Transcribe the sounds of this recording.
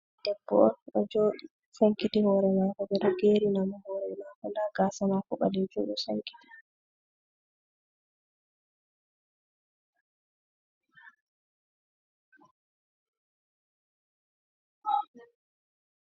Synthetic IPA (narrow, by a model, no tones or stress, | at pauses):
d̥ɛbːɔ̰ɔnɗɔd͡ʒoːɗi | saŋkitihɔːɾɛmaːkɔɓɛɗɔɡeːɾinamahɔːɾɛmakɔndaɡaːsamakɔɓa̰lɛd͡ʒṵɗɛsa̰ŋki̥ti̥